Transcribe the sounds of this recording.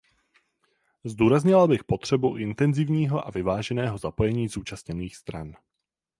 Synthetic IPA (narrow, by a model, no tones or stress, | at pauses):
zd̪uːɾazɲɪlabɪxpo̞t̪r̥ɛbuʔɪnt̪ɛnzɪvɲiːɦo̞ʔa̰vɪvaːʒɛnɛːɦo̞zapo̞jɛɲiːzuːt͡ʃasɲɛniːxst̪ɾa̰n